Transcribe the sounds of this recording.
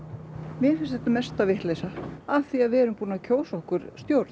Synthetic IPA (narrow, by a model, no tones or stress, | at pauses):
mɛnfɪnst̪ɛt̪amɛst̪avɪht̪lejsaaθiaðvɛɛɾʏmpuːnacʰoːwsɔhkʏɾ̥st̪jowɾt̪